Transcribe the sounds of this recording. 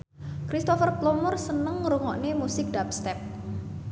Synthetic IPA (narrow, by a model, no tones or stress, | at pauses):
kɾist̪ɔfərplɔmʊrsənəŋɾuŋɔʔnemusɪk̚d̥ap̚st̪ɛp̚